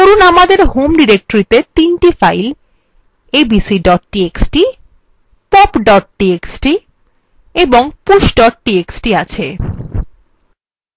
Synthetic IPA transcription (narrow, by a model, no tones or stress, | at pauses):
koɾunamad̪eɾɦomɖiɾek̚ʈoɾit̪et̪inʈifajl | ebisiɖɔʈ̚ːʈieksʈi | pɔpɖɔʈ̚ʈieksʈi | eboŋpuʃɖɔʈ̚ʈieksʈiat͡ɕʰe